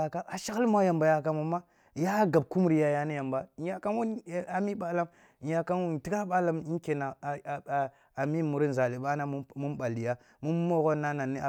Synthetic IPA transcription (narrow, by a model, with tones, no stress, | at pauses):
a˨ka˦a˨ʃa˦ɣlma˦ja˨mba˨ja˨ka˦mu˨ma˦ | ja˦ɡa˨b̚ku˦m˦ɾi˨ja˦ja˦ni˦ja˨mba˦˨˦ja˨ka˦nwu˦n˦a˨mi˦ɓa˦la˦m˨ | ja˨ka˦nwu˦n˨ti˦ka˦ɓa˦la˦mi˦ŋ˦ke˨na˨ | a˨mi˦˨mu˨ɾi˦n˨za˨li˨ɓa˦na˦mu˦mɓa˨li˨ja˦ | mu˦m˦mo˦ɣo˦na˦na˨nːi˦a˨